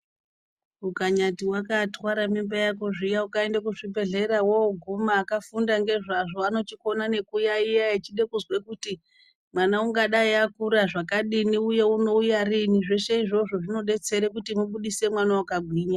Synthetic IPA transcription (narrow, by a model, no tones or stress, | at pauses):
ukaɲatiwakatwaɾamimbajako̞ʐijaukaendakuʐibʱe̞ɮe̞ɾawooɡʱumaːkafundaŋɡe̞ʐaʐo̞ano̞tiko̞nane̞kujaijaet͡ʃiɗe̞kuzwe̞kuti | mwanauŋɡaɗaiakuɾaʐakaɗiniuje̞uno̞ujariniʐe̞ʃe̞iʐo̞ʐo̞ʐino̞ɗe̞t͡se̞ɾekutimuɓuɗise̞mwanawakaɡʱwiːɲa